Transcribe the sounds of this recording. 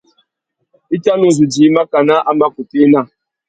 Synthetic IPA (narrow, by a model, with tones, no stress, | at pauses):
i˦ta˦nu˨zu˨d͡ʒi˨˦ma˦ka˨na˦ʔa˦ma˦ku˨te˦na˦˨